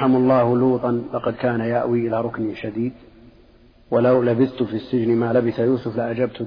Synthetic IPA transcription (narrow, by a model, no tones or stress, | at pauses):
ħamɑlˤːɑːhluːt̪ˤɑnlɑqɑd̪kaːnajaʔwiːʔɪlaːɾˤʊkniʃad̪iːd̪ | walawlabɪθt̪fisːɪd͡ʒnmaːlabɪθajuːsʊflɪʔad͡ʒabt̪